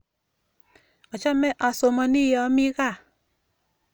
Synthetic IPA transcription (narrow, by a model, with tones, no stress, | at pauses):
ɔ˨t͡ʃa˦mɛ˦ʔɔ˨so˨mɔ˨ni˦jɔ˨˦mɪ˦ɣa˦˨